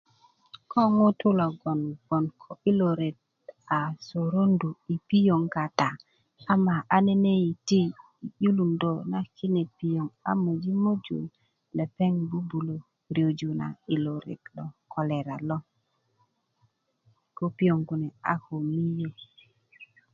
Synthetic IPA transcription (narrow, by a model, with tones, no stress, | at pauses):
kʰo˦ŋo˦tu˦lo˨ɡo˨nɡ̥o˨nkʰo˨i˦lo˨ɾe˨t̚ | a˨so˨ɾo˦ndu˨i˨pi˦jo˨ŋka˨ta˨ | a˦ma˨ʔa˦ne˦ne˦ji˨ti˦˨ | ju˦lu˨ndo˨na˦ki˦ne˨pi˨jo˨ŋa̰˦mo˨d͡ʒi˦mo˦d͡ʒṵ˨l | le˨pe˦ŋbu˦bu˨lo˨ | ɾi˨o˨d͡ʒu˨na̰˨i˨lo˨ɾḛ˨kɗo˨kʰo˨le˨ɾa˨lo˦ | ko˦pi˦jo˨ŋɡu˨ne˨a̰˨ho˨mi˦jo˨